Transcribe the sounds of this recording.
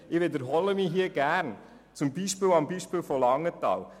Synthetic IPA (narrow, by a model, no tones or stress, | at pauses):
ɪʋɪd̪əɾɦɔləmiɦiəɡ̥æːɾn | t͡sʊmbiːʃpɪlɑmbiːʃpɪlfɔlɑŋːət̪ɑ̰ːl